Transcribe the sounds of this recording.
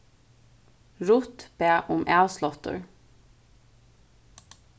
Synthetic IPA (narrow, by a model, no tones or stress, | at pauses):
ɹʊt̪b̥eːʔʊmʔæːslɔt̪ə̰ɹ